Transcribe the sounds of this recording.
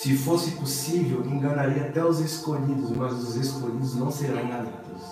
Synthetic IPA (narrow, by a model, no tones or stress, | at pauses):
sɪfosɪpusivewẽŋɡanaɾiɐat̪ɛʊzeskoʎid̪ʊzmazʊzeskoʎid̪ʊznɐ̃w̃seɾɐ̃w̃alit̪ʊs